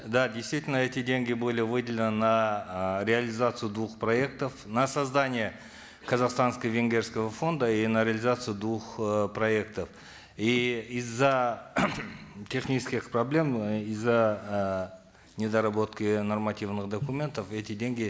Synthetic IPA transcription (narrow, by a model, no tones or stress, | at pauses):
d̪adʲejst̪vʲit̪ʲɪlʲnəɛt̪ʲɪdʲeŋɡʲɪjbo̞lʲɪjəvɨd̪ʲɪlʲɪnənaɾʲɪalʲɪzat̪sɨjʊd̪uχproe̞k̚t̪əfnasazd̪anʲije | kʰɐzaqst̪anskəvʲeŋɡʲe̞rskəvəfo̞nd̪əinaɾʲɪalʲɪzat̪sɨjd̪uχproe̞kt̪əf | iizːa | tʲʰe̞χnʲit͡ʃɪ̥skʲɪχprɐblʲe̞mizːaə | nʲɪd̪aɾabo̞t̪kʲənormat̪ʲivnɨχd̪ɐkumʲe̞nt̪əfet̪ʲɪdʲeŋʲɡʲɪ